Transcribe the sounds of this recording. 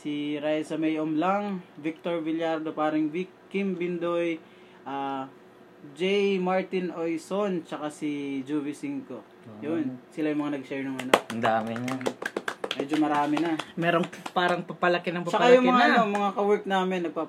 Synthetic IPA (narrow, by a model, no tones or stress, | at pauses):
siɾajsɐmɛjomlaŋvik̚t̪oɹvɪljaɾd̪opaːɾɪŋvikkːimbɪnd̪oj | ʔa | d͡ʒɛjmaɹt̪ɪnʔojsont͡ʃɐkasid͡ʒuvɪsiŋko̞ | jonsɪlajʊŋmɐŋanɐɡ̚ʃɛɹnɐŋɐnoɐnd̪aːmɛɲa | mɛːd͡ʒomɐɾaːmɪnɐmɛɾoŋpaːɾɐŋpɐpɐlɐkɪnɐŋpɐt͡ʃːɐkajʊŋmɐŋaʔɐno̞mɐŋakɐwɛɹk̚naːmɪnːɐɡ̚pa